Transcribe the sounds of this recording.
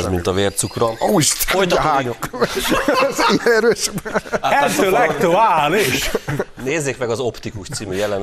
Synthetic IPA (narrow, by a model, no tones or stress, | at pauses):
zmint̪ɒveːrt̪sukrɒoʃt̪oj̪ɒɦaːɲok | ziɛnɛɾøːʃbɛɛlt̪øːlɛkt̪uaːliʃneːzːeːkmɛɡɒzo̞pt̪ikuʃt̪siːmyjɛlɛn